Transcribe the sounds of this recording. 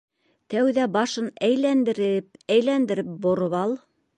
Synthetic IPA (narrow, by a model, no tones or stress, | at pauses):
t̪æwðæbɑʃɤnæjlænd̪ɘ̆ɾɘpæjlænd̪ɘ̆ɾɘp̚bŏɾɤβɑlˠ